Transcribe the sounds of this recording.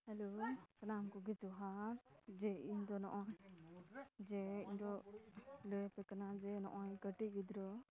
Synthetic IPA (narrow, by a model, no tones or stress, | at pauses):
hɛlosənamkɔɡɛd͡ʒɔɦaɾd͡ʒɛiɲd̪ɔnɔ̰ʔɔɲ | d͡ʒɛiɲd̪ɔ | lɔjɛpɛkanad͡ʒɛnɔ̰ʔɔjkəʈibid̪ɾɔ